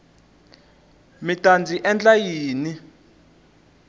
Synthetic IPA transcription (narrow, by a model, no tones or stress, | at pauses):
mitʼand͡zʱiʔɛnd͡ɮajiːni